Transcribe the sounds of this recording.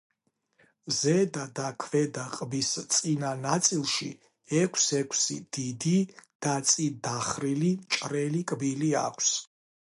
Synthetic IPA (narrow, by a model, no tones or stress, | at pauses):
zɛd̪ad̪akʰvɛd̪aqʼbist̪sʼinanat̪sʼilˠʃḭ | ɛkʷʰsɛkʰsḭd̪̥id̪id̪̥at̪sʼid̪aχɾilimt͡ʃʼɾɛlikʼbilia̰kʷʰs